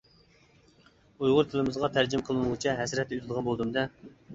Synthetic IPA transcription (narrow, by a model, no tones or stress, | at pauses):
ujʁʊɾt̪ʰɪlɪmɨzʁɑt̪ʰæɾd͡ʒimqʰəlˠɨnʁɨt͡ʃʰɛɦɛsɾɛt̪ːɛyzɪd̪ʁɑnbolˠd̪ɨmd̪ɛ